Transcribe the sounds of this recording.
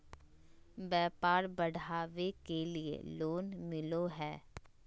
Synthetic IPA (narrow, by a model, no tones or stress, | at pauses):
bɛːpaːɾbɐɽ̤ʱaːʋekeliḛloːnmɪloɦɛː